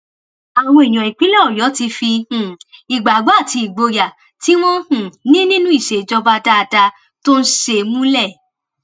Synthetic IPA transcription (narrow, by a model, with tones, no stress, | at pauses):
a˨w̃ɔ̃˧˦i˨j̃ɔ̃˨i˨k͡pi˨˦lɔ˦˨jɔ˨˦ti˧fi˧ũ˨i˨ɡ͡ba˨ɡ͡bo˨˦a˦˨ti˧i˨ɡ͡bo˧ja˨ | ti˨˦w̃ɔ̃˦hũ˨nĩ˦nĩ˦nũ˦i˦˨ʃe˨d͡ʒɔ˧ba˧da˧da˧ | to˦n̩˦ʃe˧mũ˦lɛ˦˨